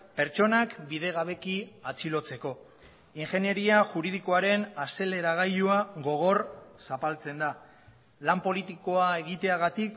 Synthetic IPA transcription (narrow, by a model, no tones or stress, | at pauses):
pe̞ɾt͡ʃo̞nakbiðe̞ɣ̞aβe̞kiat͡silo̞t͡se̞ko̞ | iŋxe̞nje̞ɾiaʝuɾiðiko̞aɾe̞nase̞le̞ɾaɣ̞ajuaɣo̞ɣ̞o̞rsapalt͡se̞nd̪a | lampo̞lit̪iko̞ae̞ɣ̞it̪e̞aɣ̞at̪ik